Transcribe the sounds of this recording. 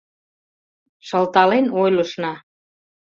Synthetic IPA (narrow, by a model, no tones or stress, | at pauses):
ʃəlt̪ɑlenojləʃnɑ